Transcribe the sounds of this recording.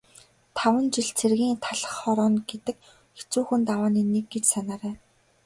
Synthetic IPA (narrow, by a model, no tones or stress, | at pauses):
t̪ʰawə̆nt͡ɕiɮt͡sʰerɣʲiːŋt̪ʰaɮə̆χːɔɾɔːnɡet̪ɘ̆k | xe̥t͡suːxɘ̆nt̪awaːniːneɡːet͡ɕsanaːɾæː